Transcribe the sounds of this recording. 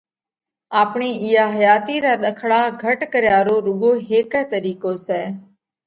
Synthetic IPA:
aːpɳiːʔɪjaːɦəjaːt̪iːɾaːɗ̪əkʰɽaːɡʱəʈkəɾjaːɾoːɾʊɡoːɦeːkɛːt̪əɾiːkoːsɛː

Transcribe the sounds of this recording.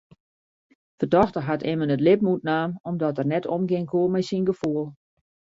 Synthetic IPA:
fərdɔxtərɦatɪmənətlɪp̚mutnaːmɔmdɔtərnɛtʰɔmɡɪŋkʰoːmɛjsinɡəfuəlˠ

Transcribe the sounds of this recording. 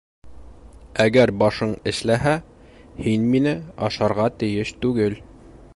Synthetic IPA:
æɡæɾbɒʃɤɴɘ̆ʃlæɦæ | hinminɘɒ̰ʃɑɾʁɑt̪ɘ̆jɘʃt̪ʉɡɘl

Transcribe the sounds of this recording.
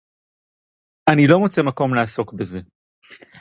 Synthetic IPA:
anilo̞mot͡se̞mako̞mlaaso̞kbeze̞

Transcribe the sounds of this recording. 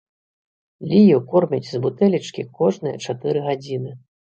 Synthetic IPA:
lʲijukɔrmʲit͡sʲzbut̪ɛlʲit͡ʂkʲikɔʐnɨjɐt͡ʂat̪ɨɾɨɣad͡zʲinɨ

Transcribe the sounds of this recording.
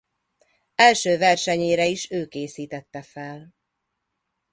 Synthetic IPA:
ɛlʃøːvɛrʃɛɲeːɾɛiʃøːkeːsiːt̪ɛt̪ːɛfɛl

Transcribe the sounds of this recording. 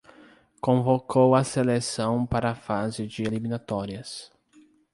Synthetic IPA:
kõvokʰowɐselesɐ̃w̃paɾɐːfazɪd͡ʒɪeliminat̪ɔɾiɐs

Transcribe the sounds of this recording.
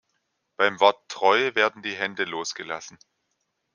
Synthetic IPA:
b̥aɪmvɔɐtːʁ̥ɔʏəveːɐdn̩diːɦɛndəloːsɡ̥əla̰sn̩

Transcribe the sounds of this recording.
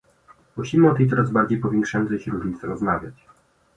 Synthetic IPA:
muɕimɘɔt̪ɛjt̪sɔɾazbaɾd͡ʑejpɔvʲjɛ̃ŋkʂajɔntsɛɕɛɾuʐɲʲit̪sɛɾɔzmavʲjat͡ɕ

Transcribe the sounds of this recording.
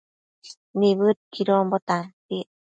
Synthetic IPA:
niβɯt̪̚kʰiɾombot̪api

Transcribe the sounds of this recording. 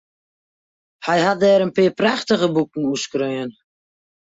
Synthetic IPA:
hɛjhat̚dɛːɾənpɪːpraxtəɣəbukŋ̩uskrøjən

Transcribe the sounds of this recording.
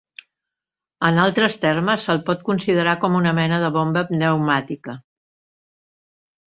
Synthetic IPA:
ənalˠt̪ɾəst̪ɛrməsəlˠpɔt̪̚kunsiðəɾakɔmunəmɛnəðəβombəpnəwmat̪ikə

